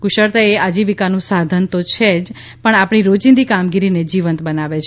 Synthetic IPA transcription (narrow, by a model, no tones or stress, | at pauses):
kuʃəɾt̪aead͡ʒiʋikanũsad̪ʱənt̪ot͡ʃʰed͡ʒ | pəɳapɳ̃iɾod͡ʒĩnd̪ikamɡiɾined͡ʒiʋənt̪bənaʋet͡ʃʰ